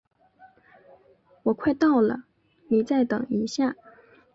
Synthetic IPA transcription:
wɔ˨˩kʰwa˥˧ɪt̪ɑ˥˩ʊlə̰˩ | li˨˩˦t͡sa˥˩ɪt̪ɤ̰˨˩ŋi˧˥ɕja˥˩

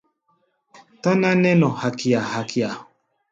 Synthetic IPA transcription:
ta˦nã˦nɛ˦nɔ˨ha˨kʰi˨a˨ha˨ki˨a˨

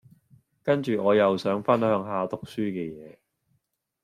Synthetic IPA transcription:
kɐ˥nt͡ʃyː˨ŋɔː˨˧jɐ˨wsœː˨˥ŋfɐ˥nhœː˨˧ŋɦaː˨t̪ʊ˨k̚syː˥kɛː˧jɛː˨˧

